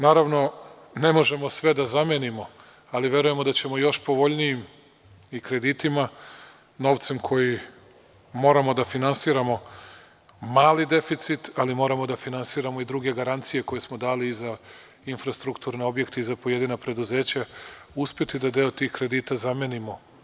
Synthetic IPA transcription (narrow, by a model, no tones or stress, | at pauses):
naːɾaʋno̞ | ne̞mo̞ʒe̞mo̞sʋe̞d̪azamjenimo̞ | aliʋje̞ɾuje̞mo̞d̪at͡ɕe̞mo̞jo̞ʃpo̞ʋo̞ʎnijim | ikɾe̞d̪it̪ima | no̞ːʋt̪se̞mkʰo̞ji | mo̞ːɾamo̞d̪afinansiɾamo̞ | maːlid̪e̞fit̪sit̪alimo̞ːɾamo̞d̪afinansiːɾamo̞id̪ɾuɡe̞ɡaɾant̪sije̞ko̞jesmo̞d̪aːliːza | infɾast̪ɾukt̪uːɾne̞o̞bje̞kt̪e̞izapo̞je̞d̪inapɾe̞d̪uze̞ːt͡ɕauspʲje̞t̪id̪ad̪e̞o̞t̪ixkɾe̞d̪iːt̪azamje̞nimo̞